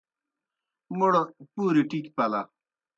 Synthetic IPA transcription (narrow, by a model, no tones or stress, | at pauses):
muɽopuːɾiʈikpɐla